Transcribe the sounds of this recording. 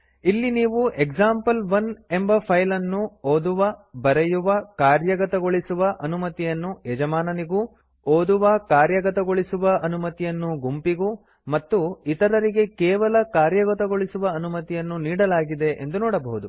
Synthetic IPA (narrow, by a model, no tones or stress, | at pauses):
ilːiniːʋuʔeɡzaːmpɐlʋɐne̞mbɐpʰɐjlɐnːuoːd̪uʋɐbɐɾejuʋɐkaːɾjɐɡɐt̪ɐɡo̞ɭisuʋɐʔɐnumɐt̪ijɐnːuɛd͡ʒɐmaːnɐniɡu | oːd̪uʋɐkaːɾjɐɡɐt̪ɐɡo̞ɭisuʋɐʔɐnumɐt̪ijɐnːuɡumpiɡu | mɐt̪ːuit̪ɐɾɐɾiɡe̞kɛːʋɐlɐkaːɾjɐɡɐt̪ɐɡo̞ɭisuʋɐːnumɐt̪ijɐnːuniːɽɐlaːɡid̪e̞ʔḛnd̪unɔːɽɐbɐɦud̪u